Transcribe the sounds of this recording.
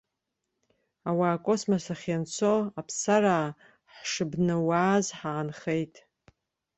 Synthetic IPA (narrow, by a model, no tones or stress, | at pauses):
awaːkʼo̞smasaχʲant͡sʰo̞apʰsaraː | ħʂɨbnɨwaːzħaːnχe̞jtʼ